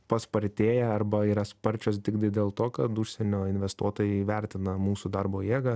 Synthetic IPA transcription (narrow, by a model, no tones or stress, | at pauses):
pɐspɐɾʲt̪ʲeːjɛɐrbɐiːɾɐspɐɾʲt͡ʃʲoːsd̪ʲɪɡd̪ɐɪd̪ʲeːlˠt̪oːkɐt̪uʃʲsʲɛnʲoːɪnʲʋʲɛst̪uɔt̪oːjɛɪʋʲɛɾʲt̪ʲɪnɐmuːsud̪ɐrboːjeːɡɐ